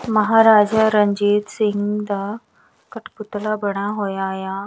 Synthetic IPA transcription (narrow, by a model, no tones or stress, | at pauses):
məɦaɾad͡ʑaɾəɲd͡ʑiːt̪siŋɡd̪a | kəʈput̪labəɽ̃aɦojaja